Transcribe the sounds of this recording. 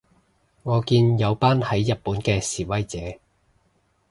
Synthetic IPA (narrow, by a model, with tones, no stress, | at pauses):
ŋɔː˨˧kiː˧njɐ˨˧wpaː˥nhɐ˨˥jːɐ˨t̚puː˨˥nkɛː˧siː˨˩wɐ˥jt͡sɛː˨˥